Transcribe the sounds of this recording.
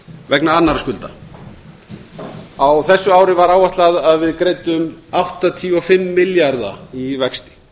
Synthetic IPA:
vɛknaanːaɾaskʏlt̪a̰ | awθɛsːʏaːwɾɪvaɾawvaht̪laðaðvɪðkɾeːjt̪ʏmawht̪at̪ʰiɔfɪmːɪljaɾða̰ivɛkst̪ɪ̥

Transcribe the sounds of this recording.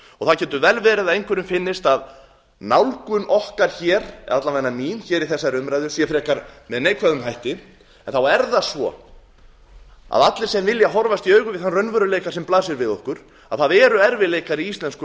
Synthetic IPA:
ɔɣθaðcʰɛnt̪ʏvɛlvɛːɾɪðaðejŋkʰvɛɾʏmfɪnːɪst̪að | nawlkʏnʔɔhkaɾ̥çɛːɾɛ̰at̪lavajnːamiːnçɛːɾiθɛsːajɾʏmɾajðʏsjɛfɾɛːkaɾmɛðneːjkʰvɛðʏmɦajht̪ɪ | ɛnθawɛɾðasvɔ̰ | a̰ðat̪lɪɾ̥sɛmvɪljaɦɔɾvast̪iœːɥɣʏvɪðθanrœɥnvœɾʏleːjkḁsɛmplaːsɪɾvɪðɔhkʏɾ̥ | a̰ðθaðɛːɾʏɛɾvɪleːjkaɾiist̪lɛnskʏ

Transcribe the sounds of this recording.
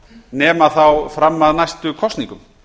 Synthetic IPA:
nɛːmaθawfɾamːaðnajst̪ʏkʰɔst̪nĩŋkʏm

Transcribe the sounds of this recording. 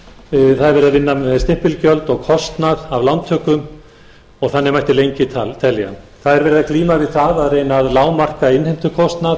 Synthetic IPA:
θaðɛɾvɛːɾɪðavɪnːamɛst̪ɪhpɪlcœlt̪ɔɣkʰɔst̪naðavlant̪ʰœːkʏm | ɔɣθanːɪmajht̪ɪlejɲcɪt̪ʰat̪ʰɛlːja̰θaðɛɾvɛːɾɪðakliːmavɪðθaðaðreːjnaːðlaːwmar̥kaɪnhejm̥t̪ʏkʰɔst̪nað

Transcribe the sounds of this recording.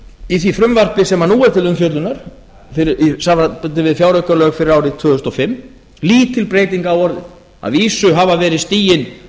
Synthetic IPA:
iθvifɾʏmvar̥pɪsɛmanuːaðt̪ʰɪlʏmfjœt̪lʏnaɾ̥ | fɪɾisaapʏnt̪ɪvɪðfjaːwɾœkalœːɣfɪɾɪɾaːwɾɪt̪ʰvœːðʏst̪ɔfɪmː | liːt̪ʰːɪlpɾeːjt̪iŋkaːwɔɾðɪ̰ | a̰ðviːsʏɦavavɛːɾɪðst̪iːjɪn

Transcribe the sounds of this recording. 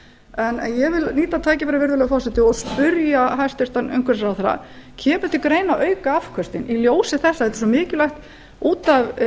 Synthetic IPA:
ɛnjɛvɪlniːt̪at̪ʰaːjcɪvɛːɾavɪɾðʏlœɣfɔrsɛt̪ɪɔspʏɾjaɦajst̪ʏst̪anʏŋkʰɛɾsɾawθaɾa̰cʰɛːpʏ̥t̪ʰɪkɾejnaœɥkaafkʰœst̪ɪniljoːwsɪθɛsːaɛt̪ɪ̥sɔmɪːcɪlajxt̪ | uːt̪av

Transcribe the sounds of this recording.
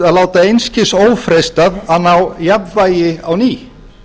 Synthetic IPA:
aðlaːwt̪aejnscɪsoːwfɾest̪aðaðnawjapvaːjɪawniː

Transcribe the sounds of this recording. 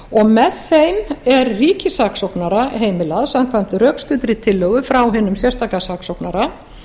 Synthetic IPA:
ɔɣmɛðθejmɛɾriːcɪsaksowknaɾaɦeːjmɪlaðsamkʰvajm̥t̪ɪrœːkst̪ʏːt̪ɾɪit̪ʰɪlːœɣʏfɾawɦɪːnːʏmsjɛst̪akasaksowknaɾa

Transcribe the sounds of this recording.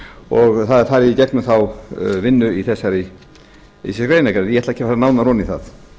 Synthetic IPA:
ɔɣθaðfaɾicɛknʏmθawvɪnːʏiθɛsːaɾɪ | isɛkɾeːjnakaɾɪðjɛɛtlaɛ̥cʰːɪ̥faɾanaːwnarɔniθa̰θ

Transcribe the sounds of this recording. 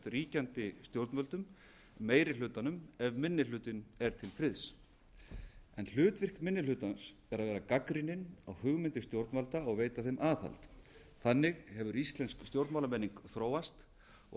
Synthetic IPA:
t̪riːcant̪ɪst̪jowɾt̪nmœlt̪ʏm | meːjɾɪlʏːt̪anʏmɛvmɪnːɪlʏːt̪ɪnɛɾ̥t̪ʰɪlfɾɪðs | ɛnl̥ʏːt̪vɪr̥kmɪnːɪlʏːt̪ans | ɛɾaðvɛːɾakakɾinɪna̰whʏɣmɪnt̪ɪst̪jowɾt̪nmalt̪aɔɣveːjt̪aθejmʔaːθa̰lt̪ | θanːɪɣhɛvʏɾist̪lɛnskst̪jowɾt̪mawlamɛnːiŋkθɾoːwast̪ | ɔ̰

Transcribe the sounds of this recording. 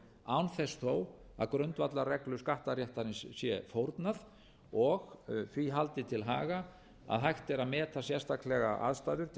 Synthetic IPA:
aːwnθɛsθoːwa̰ðkɾœnt̪vat̪larɛklʏskaht̪aɾjɛht̪aɾɪnsːjɛfowɾt̪nað | ɔɣθviɦalt̪ɪt̪ʰɪlɦa̰ːɣa | a̰ðɦajht̪ɛɾaðmɛːt̪asjɛrst̪ʰaklɛɣaʔa̰ðst̪ajðʏɾ

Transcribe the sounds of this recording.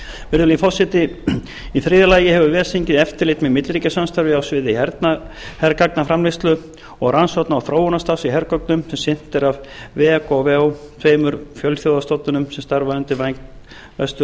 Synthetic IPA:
vɪɾðʏlifɔsɪt̪ɪ | iθɾiːðalaːjɪhɛvʏvɛːsiɲcɪðɛft̪ɪɾlɪt̪mɛðmɪt̪lɾiːcasanst̪aɾvɪawsvɪːðɪhɛɾt̪na | hɛɾkaknafɾamlɪst̪lʏ | ɔɣransɔt̪naːwθɾoːwɔnast̪afsiɦɛɾkɔknʏmsɛmsɪn̥t̪ɛɾavvɛakɔvɛwθʰveːjmʏɾfjœlθjowðast̪owt̪nʏnʏmsɛmst̪aɾvaðʏnt̪ɪvajŋk̪ | vɛ̰st̪ʏ

